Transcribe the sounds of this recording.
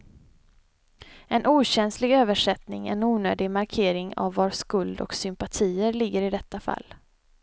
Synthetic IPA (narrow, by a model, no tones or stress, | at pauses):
ɛnʔuːɕɛnslɪɡøːvəʂɛt̪nɪŋɛ̰nuːnøːd̪ɪɡmaɾkʰeːɾɪŋa̰vːaʂkɵld̪ɔ̰ksʏmpat̪ʰiːəɾlɪɡːəɾɪd̪ɛt̪ːafa̰lː